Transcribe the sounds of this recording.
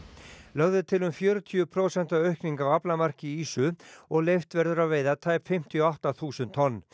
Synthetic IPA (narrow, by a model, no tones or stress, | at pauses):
lœɣðʏt̪ʰɪlʏmfjœːɾʏt̪ʰiʏpʰɾoːsɛnt̪aœɥhkniŋkawaplamar̥cɪiːsʏɔɣlejft̪vɛɾðʏɾaveːjðat̪ʰaːjpfɪm̥t̪ʰijɔawht̪aθuːsʏnt̪ʰɔnː